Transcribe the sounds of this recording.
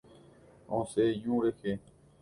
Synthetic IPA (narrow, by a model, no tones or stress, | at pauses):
õːseːjũːɾekʰeː